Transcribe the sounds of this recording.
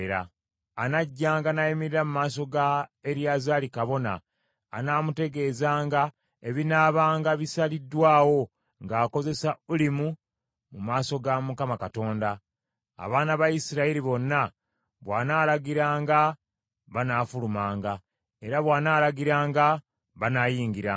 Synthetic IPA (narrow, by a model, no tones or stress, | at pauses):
ɾa̰ː | naɟːaːŋɡanajimiɾiɾamumaːso̞ɡaeɾjaːzaːlikaβo̞na̰ː | naːmute̞ɡe̞ːzaːŋɡa | eβinaːβaːŋɡaβisalidːwaːwo̞ | ŋɡaːko̞ze̞saulimu | mumaːso̞ɡamukamakato̞ːnda̰ː | βaːnaβaisiɾaiɾiβo̞nːa | βwaːnaːlaɡiɾaːŋɡa | βanaːfulumaːŋɡa | e̞ɾaβwaːnaːlaɡiɾaːŋɡa | βanajiːŋɡiɾa